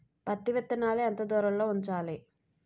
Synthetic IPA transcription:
pɐt̪ːiʋɐt̪ːɐnaːleɐnt̪ɐd̪ɔːɾɐlloːuɲt͡ʃaːli

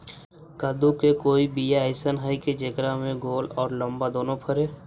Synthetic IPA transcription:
kad̪ukekoːibiːjaəɪsənɦaiked͡ʒekɾamẽɡoːlɔːɾlə̃mbad̪oːnõpʰəɾeː

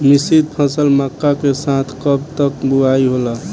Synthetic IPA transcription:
misid̪̚pʰəsəlməkːakesat̪ʰkəb̚t̪əkbuaiɦolə

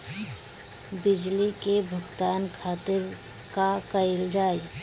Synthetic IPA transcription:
bɪd͡ʒlikebʱʊɡt̪aːnkʰaːt̪ɪɾ | kakəɪld͡ʒaːi

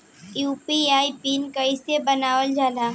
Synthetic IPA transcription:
juːpiaːipiːnkɐisebɐnaːwəld͡ʒaːlaː

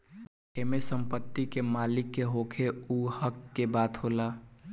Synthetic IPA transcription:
eːmesə̃mpət̪ːikemaːlɪkːeɦoːkʰeuhəkːebaːt̪ɦoːlaː

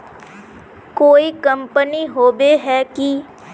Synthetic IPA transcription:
koːikə̃mpəniɦoːbeɦɛki

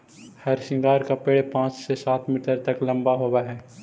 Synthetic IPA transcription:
hɐɾʃɪ̃ŋɡaːɾkapeːɽepãːt͡ʃsesaːt̪ʰmiːʈəɾt̪ɐklɐ̃mbaɦoːwaɦɛː

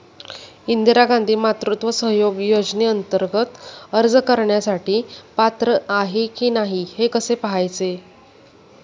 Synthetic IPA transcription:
ind̪iɾaɡãnd̪ʱiːmat̪ɾut̪ʋəsəɦjoɡjod͡ʑniːənt̪əɾɡət̪əɾd͡zkəɾɳjasaʈiːpat̪ɾəaɦekiːnaɦihekəsepəɦajt͡se

